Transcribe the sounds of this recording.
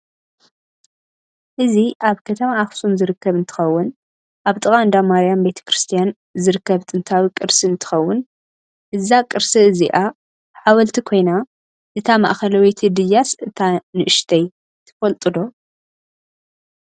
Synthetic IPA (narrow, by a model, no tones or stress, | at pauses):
ʔɨziʔaβkʰɐt̪ʰɐmaːxsumzɨɾɨkːɐβɨnt̪ʰɨ̥xɐwːʊn | ʔaβt̪ʼɨɣʼand̪amaɾijambe̞t̪ʰɐ̥kɾɨst̪ʰijan | zɨɾɨkːɐβt̪ʼɨnt̪ʰawikʼɨɾsiɨnt̪ʰɨ̥xɐwːʊn | ʔɨzakʼɨɾsiɨziʔa | ħawɐlt̪ʰikʰo̞jna | ʔɨt̪ʰama̰ʔxɐlɐwijt̪ʰid̪ɨjasɨt̪ʰanɨʔɨʃt̪ʰɐj | t̪ʰɐ̥fɐlt̪ʼɨd̪o̞